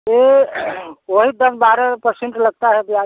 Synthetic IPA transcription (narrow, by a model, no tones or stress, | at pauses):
e | oɦid̪əsbaɾəpəɾseɳʈləɡ̚t̪aɦɛb̪a